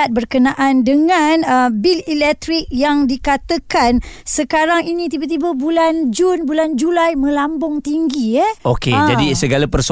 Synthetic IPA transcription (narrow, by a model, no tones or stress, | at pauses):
at̪̚bərkənaʔandəŋanəbililɛk̚t̪ɾik̚jaŋdikat̪akansəkaɾaŋinĩt̪ibat̪̬ibabuland͡ʒunbuland͡ʒulajmə̃lambʊŋt̪iŋɡiɛoked͡ʒadisəɡalapərs